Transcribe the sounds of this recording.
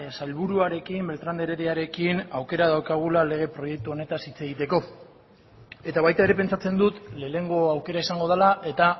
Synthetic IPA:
asalβuɾuaɾe̞kimbe̞lt̪ɾand̪e̞ɾeɾeaɾe̞kinawke̞ɾaðawkaɣ̞ulale̞ɣ̞e̞pɾo̞je̞k̚t̪uo̞ne̞t̪asit͡se̞ɣ̞it̪e̞ko̞ | e̞t̪aβajt̪aeɾe̞pe̞nt͡sat͡se̞nd̪ut̪le̞ːne̞ŋɡo̞awke̞ɾaisaŋɡo̞ð̞alaʔe̞t̪a

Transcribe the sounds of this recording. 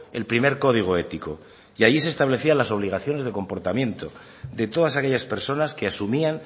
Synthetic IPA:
e̞̰lpɾime̞ɾko̞ð̞iɣ̞oe̞t̪iko | iaʎisest̪aβle̞θianlaso̞β̞liɣ̞aθjo̞nezðe̞ko̞mpo̞ɾt̪amjẽ̞nt̪o̞ | d̪e̞t̪o̞ð̞asake̞ʎaspe̞ɾso̞naskeasumian

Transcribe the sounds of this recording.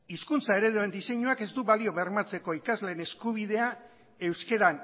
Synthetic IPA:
iskunt͡sae̞ɾe̞ðue̞nd̪ise̞ɲuake̞zd̪uβalio̞βeɾmat͡se̞ko̞ikazle̞ːne̞skuβ̞ið̞e̞a | e̞wske̞ɾan

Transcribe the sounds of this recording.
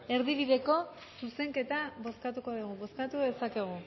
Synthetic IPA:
e̞ɾðiβ̞iðe̞ko̞ | suse̞ŋke̞t̪aβo̞skat̪uko̞ðuɣ̞uβo̞skat̪uðe̞sake̞ɣ̞u

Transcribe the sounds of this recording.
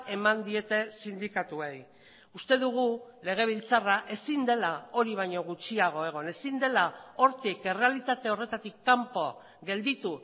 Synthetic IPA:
e̞mand̪ie̞t̪e̞sind̪ikat̪uej | ust̪e̞ðuɣ̞ule̞ɣ̞e̞β̞ilt͡saraʔe̞sind̪e̞lao̞ɾiβ̞ajɲo̞ɣ̞ut͡ʃiaɣ̞o̞e̞ɣ̞o̞ne̞sind̪e̞lao̞ɾt̪ike̞re̞alit̪at̪e̞o̞re̞t̪at̪ikːampo̞a̰ | ɡe̞ld̪it̪u

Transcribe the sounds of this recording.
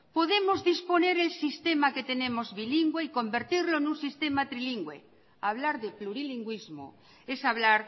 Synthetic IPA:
poðemozðispone̞ɾelsist̪emaket̪enẽmozβiliŋɡweiko̞mbeɾt̪iɾloenũnsist̪emat̪ɾiliŋɡwḛ | aβ̞laɾðepluɾiliŋɡwizmo̰ | esaβlaɾ

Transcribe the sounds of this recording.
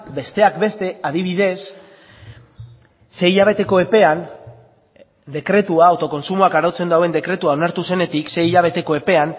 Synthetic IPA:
be̞st̪e̞akbe̞st̪e̞aðiβ̞iðe̞s | e̞iʎaβ̞e̞t̪e̞ko̞e̞pe̞an | d̪e̞kɾe̞t̪uaːwt̪o̞ko̞nsumuakaɾawt͡se̞nd̪awe̞nd̪e̞kɾe̞t̪uaonaɾt̪use̞ne̞t̪ikse̞iʎaβ̞e̞t̪e̞ko̞e̞pe̞an

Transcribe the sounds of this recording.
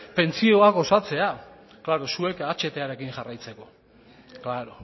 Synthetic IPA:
pe̞nt͡sio̞ako̞sat͡se̞a | klaɾo̞suekat͡ʃe̞t̪e̞aɾe̞kiŋʝarajt͡se̞ko̞ | klaɾo

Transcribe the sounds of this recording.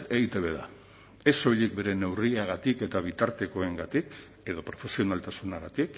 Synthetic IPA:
e̞ɣit̪eβe̞ða̰ | e̞so̞jʎik̚be̞ɾe̞ne̞wriaɣ̞at̪ike̞t̪aβ̞it̪aɾt̪e̞ko̞e̞ŋɡat̪ik | e̞ðo̞pɾo̞fe̞sio̞nalt̪asunaɣ̞at̪ik

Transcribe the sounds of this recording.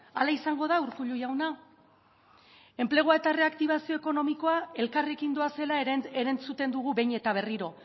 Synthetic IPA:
alaisaŋɡo̞ð̞auɾkuʎujawna | e̞mple̞ɣ̞oae̞t̪are̞akt̪iβasio̞eko̞no̞miko̞ae̞lkare̞kind̪o̞ase̞laeɾent͡sut̪e̞nd̪uɣ̞ube̞jɲe̞t̪aβ̞e̞riɾo̞

